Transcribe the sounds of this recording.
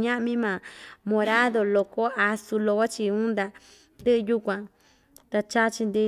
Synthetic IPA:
ɲã˦ʔmĩ˦mãː˨mõ˧ɾa˦ðo˧lo˧ko˦a˧su˧lo˧ko˦t͡ʃi˧ũ˦nd̪a˧ | nd̪ɨ˦ʔɨ˧ju˦kʷã˧˨ | t̪a˧t͡ʃa˦t͡ʃi˧nd̪i˧

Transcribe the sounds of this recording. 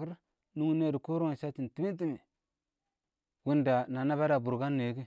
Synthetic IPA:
ki˦ɾ | nu˦ŋ˦ne˦˨du˨ko˦ɾo˦˨ʃa˦ti˨n˨ti˦mi˦t̬i˦mi˨ | wu˦nda˨na˨na˦ba˦da˨bu˨ɾɡa˦nː˨e˨˦ɡi˦

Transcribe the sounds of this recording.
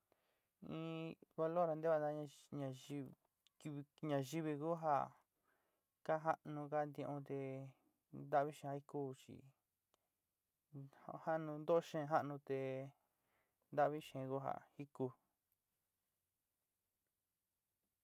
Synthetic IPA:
ĩ˧βa˧lo˦˨ɾa˧nd̪e˦βa˧d̪a˦a˧ɲã˧i˧ | ki˧i˧ɲã˧ʒi˦βi˧ku˦ɦa̰˧˨ | ka˦ɦa˦ʔnũ˧ka˦nd̪ĩ˧ʔõ˧t̪e˧ | nd̪a˦ʔβi˦ʃẽ˧a˧˦i˧˦kuː˦˨t͡ʃḭ˨˧ | ha˦ʔnũ˧nd̪o˦ʃẽ˧ɦa˦ʔnũ˧t̪e˧ | nd̪a˦ʔβi˦ʃẽ˨˧ku˦ɦa̰˨hi˦ku˧

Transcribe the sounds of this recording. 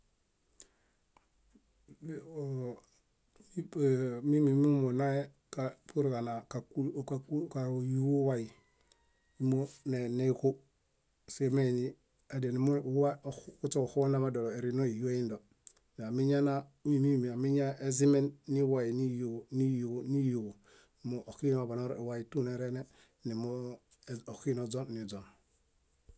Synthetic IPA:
mi˦mi˨mu˦mo˨na˦e˦ | ka˨pu˦ɾka˨na˨ka˨ku˦ka˨˦ka˨ju˦o˦wa˦i˨ | i˦mo˦ne˨ne˦ku˦ | se˦me˦˨ni˦ | a˨de˨ni˨mo˦wa˦u˦t͡ʃo˦˨ho˦na˦ma˦do˨le˨ɾi˨no˦i˨ju˦e˦i˦ndo˨ | n˨a˨mi˦ɲa˦na˦ni˦˨mi˨a˨mi˦ɲa˦e˦zi˦me˦nːi˦wa˨ji˨ni˦jni˦jni˦ju˨w | mo˨ʔo˨ki˦na˨ba˨no˦ɾi˨wa˦i˨tu˦ne˨ɾe˦ne˦ | ni˨mo˦˨ | o˨ki˦no˨d͡ʒo˦nːi˨d͡ʒo˨n

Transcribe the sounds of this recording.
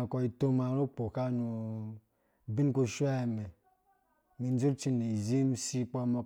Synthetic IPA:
kɔ˨i˨to˦ma˨˦ɾo˦k͡po˨ka˦nu˨ | bi˦n˦ko˦ʃu˦a˦˨me˨ | mi˨n˦d͡ʒu˦t͡ʃi˦ne˨zi˦m˦si˦k͡pɔ˦mo˨˦

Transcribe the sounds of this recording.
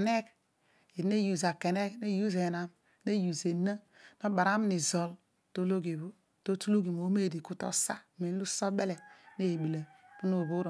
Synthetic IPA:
ne˦k | i˨ne˦ju˨za˨ke˨ne˦kne˦ju˦ze˨na˨m˨ | ne˦ju˨ze˨na˦ | na˦ba˨ɾa˦m˦ni˨zo˨l | to˦lo˦ɡe˨βu˦ | to˦tu˦lu˦ɡi˨mo˨˦me˦˨di˨ku˦to̰˦sa˦˨mi˨n˦lu˦so˦be˦le˨ne˦˨bi˨le˨pu˦no˨βu˦ɾo˨

